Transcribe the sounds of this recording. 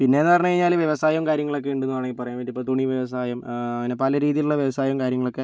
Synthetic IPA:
pinːe̞ːnːaɐrɲːɐkɐɻiɲːaːlʋjeʋɐsaːjɐmkaːɾjɐŋːɐɭo̞k̬ːeuɳɖenːuʋaːɳeŋːipːɐrɐjaːnʋeːnɖipːot̪uɳiʋjeʋɐs̬aːjɐmɐʋinepɐlɐɾiːðijiluɭːɐʋjeʋɐsaːjɐmkaːɾjɐŋːɐɭo̞kːe̞

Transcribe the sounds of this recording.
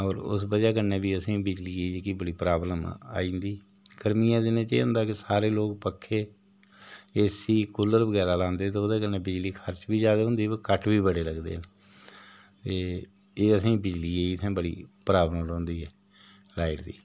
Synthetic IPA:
ɔːɾʊ̰sbəd͡ʒaːkənːeːbiːəsĩːbɪd͡ʒliːeikibəɽiːpɾaːbləma̰ːĩːnd̪iː | ɡ̥əɾmijãːd̪ɪnẽːt͡ʃḛːʊ̃nd̪aːkɪsaːɾeːloːk̚pəkʰːeː | eːsiːkʊləɾbəɡɛːɾaːlãːnd̪eːt̪eoːd̪aːkənːeːbɪd͡ʒliːkʰəɾt͡ʃbiːd͡ʒjaːd̪aːɦʊ̃nd̪iːkəʈʰʋiːbəɽeːləɡd̪ḛːɦn | t̪eː | eːəsĩːbɪd͡ʒliːeːiːt̪ʰẽːbəɽḭːpɾaːbləmlõːnd̪iːɦɛː | laːɪʈd̪ḭː

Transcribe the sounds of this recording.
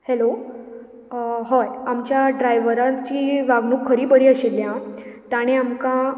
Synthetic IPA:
hɛlo | ɦɔjamt͡ɕjaɖɾajʋəɾat͡ɕiːʋaɡnuːkʰːəɾiːbəɽiːəɕilːjãt̪aɽ̃eamkã

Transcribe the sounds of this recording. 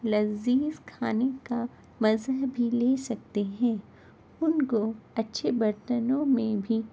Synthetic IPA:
lɐziːzkʰaːneka | mɐzəɦbʱileːsɐk̚t̪eɦɛ̃ː | ʊnkoɐtːʃʰebɐɾt̪ənõmẽbʱi

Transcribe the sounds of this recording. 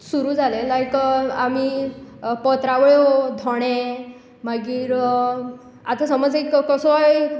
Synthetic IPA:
suɾud͡zalelajkami | pɔt̪ɾaʋɭeod̪ʱɔɽ̃e | maɡiːɾ | at̪asɔməd͡zekkɔsɔaj

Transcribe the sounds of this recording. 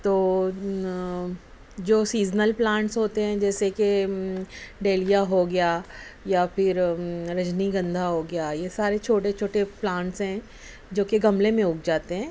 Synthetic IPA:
t̪oː | d͡ʒoːsiːznəlplãːɳʈsɦoːt̪eɦɛ̃d͡ʒɛːseke | ɖeːlijaɦoɡɐjaːjafɪɾɾɐd͡ʒniɡɐ̃nd̪ʱaɦoɡɐjaːjesaːɾet͡ʃʰoːʈet͡ʃʰoːʈeplãːɳʈsɦɛ̃ː | d͡ʒoːkeɡɐmlemẽɦʊk̚d͡ʒaːt̪eɦɛ̃ː

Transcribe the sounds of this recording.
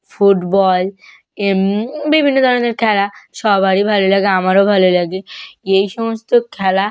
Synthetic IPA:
fuʈbɔl | bibʱinːod̪ʱɔɾoneɾkʰɛlaʃɔbaɽibʱalolaɡeamaɾobʱalolaɡeejʃɔmost̪okʰɛla

